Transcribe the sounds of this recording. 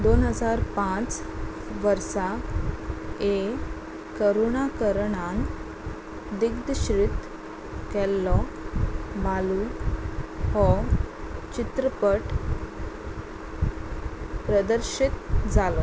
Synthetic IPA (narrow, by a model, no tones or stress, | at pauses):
d̪onɦəd͡zaɾpãt͡s | ʋəɾsa | e | kəɾoɳakəɾɳaŋ | d̪iɡd̪ɕɾit̪ | kɛlːɔ | malu | hɔ | t͡ɕit̪ɾəpəʈ | pɾəd̪əɾɕit̪d͡zʱalɔ